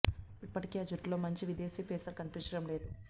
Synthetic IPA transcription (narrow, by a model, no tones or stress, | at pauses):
ipːɐʈikeːɐd͡ʒuʈlo̞ːmɐɲt͡ʃiʋid̪e̞ːsiːpeːsɐɾkɐnipiɲt͡ʃɐɽɐmle̞ːd̪u